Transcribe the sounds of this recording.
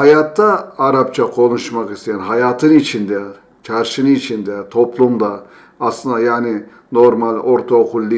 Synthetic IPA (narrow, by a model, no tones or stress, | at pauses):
hɑjɑt̪ːɑɑɾɑp̚t͡ʃʰɑqʰonuʃmɑqist̪ejɛnɦɑjɑːt̪ʰɨnit͡ʃʰind̪ɛ | t͡ʃʰɑɾʃinit͡ʃʰind̪ɛt̪ʰopʰlˠumd̪ɑː | slˠɯnd̪ɑjaːnɪ | noɾmɑlʔoɾt̪ʰoqʰʊlˠːi